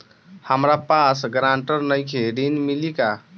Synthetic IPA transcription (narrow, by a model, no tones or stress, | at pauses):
həmɾapasɡɾaɳʈəɾnəjkʰeɾinmilika